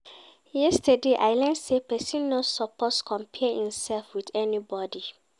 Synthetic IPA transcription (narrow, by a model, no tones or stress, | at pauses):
jɛstədeʔaɪlɛ̃nsepɛsĩnːɔtsɔpɔtskʰɔ̃mpʰɛhĩmsɛlfwiðɛnibɔdi